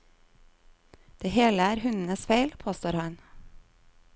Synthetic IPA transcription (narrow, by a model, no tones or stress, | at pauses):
d̪̥eːheːləæːɾhʉnn̩əsfeɪlpʰoːst̪oːɾhɑn